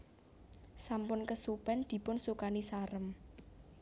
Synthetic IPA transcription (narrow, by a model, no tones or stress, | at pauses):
sampʊnkəsupɛnd̪̥i̤pʊnsukanisaɾəm